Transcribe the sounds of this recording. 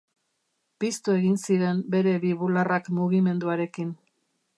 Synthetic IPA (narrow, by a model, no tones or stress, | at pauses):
pist̪ue̞ɣinsiɾe̞mbe̞ɾe̞βiβularakmuɣime̞nd̪uaɾe̞kin